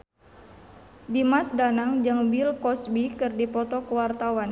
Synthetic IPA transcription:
dimasdanaŋd͡ʒaŋbilkɔsbikɨrdipɔt̪ɔkəwart̪awan

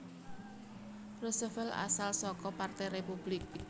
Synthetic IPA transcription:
rosɔfɛla̰salsɔkɔpart̪ɛjɾepub̥lɪk̚

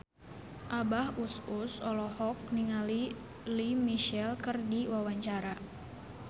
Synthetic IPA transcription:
ʔabahususɔlɔhɔk̚niŋali | limiʃɛlkərdiwawaɲt͡ʃaɾa

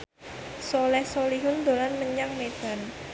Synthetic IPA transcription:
solɛhsoliɦʊnd̪o̤lanməɲaŋmed̪̥a̤n

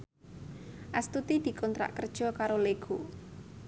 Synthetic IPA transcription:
ʔast̪ut̪id̪̥i̤kɔnt̪ɾa̰ʔkərd̥ʒ̥ɔ̤kaɾoleɡ̥u

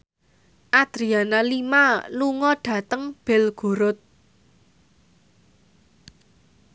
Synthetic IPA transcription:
ʔad̪̥ɾianalimaluŋɔɖ̥ä̤t̪əŋb̥ɛ̤lɡ̥ṳɾʊt̪̚

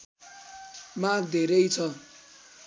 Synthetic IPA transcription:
mãk̚d̪ʱeɾʌjt͡sʰʌ

